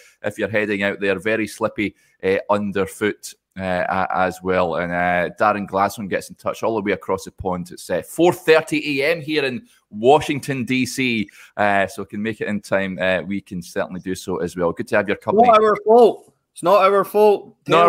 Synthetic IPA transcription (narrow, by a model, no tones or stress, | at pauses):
ʔɪfjə˞ɦɛdɪ̃ŋaʊʔðəə˞vɛɹislˠɪpi | ʔɛʔʌ̃ndə˞fʉʔ | ɛəʔə̰zwɛlˠə̰̃nəd̥aɹə̃nɡlˠḁsõnɡɛtsn̩tʰʌ̰t͡ʃɔlˠðəweəkʰɹ̥ɔsəpʰɔ̃ntɪtsɛfɔɹθɜ˞ʔiʔeɛ̃mɦiɹɪ̃n | wɔʃɪ̃ŋtʰə̃ndisi | ʔʌsokʰə̃nmekɪʔɪ̃ntʰãɪ̃mɛwikʰə̃nsɜ˞ʔn̩ˠidɨsoʔəzwɛlˠɡʉd̚tʰəːvjə˞kʰʌ̃mnəə˞foʔ | ɪsnəʔəə˞foʔ | nə